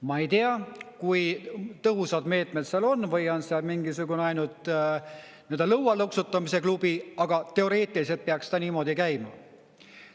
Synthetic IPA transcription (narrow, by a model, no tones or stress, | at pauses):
mɑe̞jt̪eɑkujt̪ɤɦusɑd̪me̞ːt̪ˑmet̪seɑlo̞nːvɤjonseɑlmiŋɡisuɡ̥uneɑjnult̪ˑ | nend̪̥elɤwɑluksut̪ːˑɑmise̞klub̥iɑɡ̥ɑt̪e̞o̞ɾe̞ːt̪ːˑilise̞lt̪̚peɑkst̪ɑniːmo̞d̪ikæjmɑ